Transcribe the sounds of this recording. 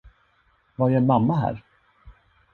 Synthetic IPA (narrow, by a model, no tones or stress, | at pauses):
vaɾjɛnmamːaɦæ̰ːɾ